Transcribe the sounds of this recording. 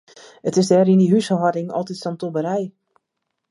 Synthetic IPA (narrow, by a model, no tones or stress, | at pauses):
ətɪsdɛːɾindiɦysəɦɔdɪŋɔ̰lˠtitsɔntobəɾɛj